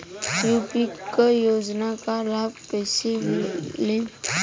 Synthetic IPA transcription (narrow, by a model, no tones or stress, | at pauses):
juːpikəjoːd͡ʒnakalaːb̚pɛːsemle